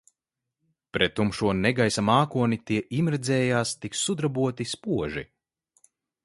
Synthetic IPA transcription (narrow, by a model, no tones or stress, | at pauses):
pɾɛt̪ːumʃuɔnɛɡajsamaːkuɔnit̪iɛʔimɾɛd̪zʲɛːjaːst̪iksːud̪ɾabuɔt̪ispuɔʒi